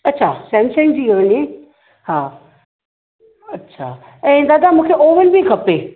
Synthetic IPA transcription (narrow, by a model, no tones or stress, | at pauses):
ɐtːɕʰasɛ̃nʃənd͡ʑiːɡɐʋənie | haː | ɐtːɕʰa | ɛ̃ːd̪aːd̪amũːkʰeʔoːʋənbʱikʰɐpeː